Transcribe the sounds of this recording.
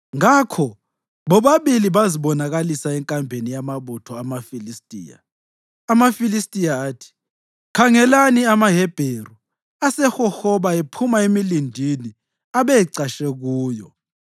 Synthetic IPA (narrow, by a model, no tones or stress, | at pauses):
ŋakʰɔ | βɔβaβiliβaziβɔnaɣalisaɛŋkʼambʱenijamaβutʰɔamafilistʼḭːja̰ː | mafilistʼijaːtʰi̥ | kʰaŋɛlaniamaɦɛb̥ʱeru | asɛxɔxɔβaepʰumaemilindʱini | aβejiǀaʃɛɣuːjɔ̰